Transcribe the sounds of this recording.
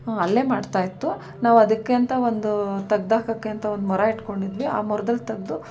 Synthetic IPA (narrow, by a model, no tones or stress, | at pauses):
ɐlːe̞ːmaːɖt̪aːjit̪ːu | naːʋɐd̪ɐkːeɐnt̪ɐo̞nd̪ut̪ɐɡd̪aːkɐkːeɐnt̪ɐond̪mɔɾaiʈko̞ɳɖid̪ʋia̰ːmɔɾɐd̪ɐlːt̪ɐɡ̚d̪u